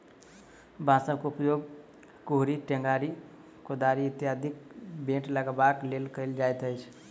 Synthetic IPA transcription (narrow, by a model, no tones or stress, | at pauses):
bʱãsə̃bkoupjoɡ | koɦɾiʈẽŋɡaɾi | kod̪aɾiɪt̪jad̪ikbẽʈləɡəbaklelkəɪld͡ʒajt̪əjt͡ʃʰ